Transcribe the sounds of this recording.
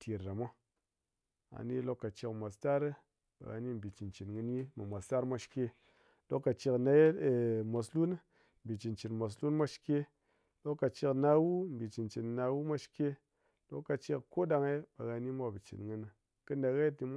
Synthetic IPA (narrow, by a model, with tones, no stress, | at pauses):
tʰi˨ɾːa˨mʷa˦ | a̰˨ni˦lo˦kːa˨t͡ʃi˧kmʷa˨sta˦ɾɨ˦ | ɓa̰˨ɣa̰˧ni˦m̩˨bi˨t͡ʃi˨nt͡ʃi˨nŋɨ˧ni˦ma˨mʷa˨sta˦ɾmʷa˦ʃi̥˦ke˦ | lo˦kːa˨t͡ʃi˧kna˧˦˨mo˨slu˦n˦ | m˨bi˨t͡ʃi˨nt͡ʃi˨nmʷo˨s̬lu˦nmʷa˦ʃke˦ | lo˦kːa˨t͡ʃi˧kna˧wu˦m̩˨bi˨t͡ʃi˨nt͡ʃi˨nna˧wu˦mʷa˦ʃi̥˦ke˦ | lo˦kːa˨t͡ʃi˧kko˦ɗa˧ŋe˦ɓa˨ɣa˧ni˦mʷa˦bɨ˨t͡ʃḭ˨nŋɨ˧nɨ˨ | kɨ˦nda˨ɣa˦ti˨m˦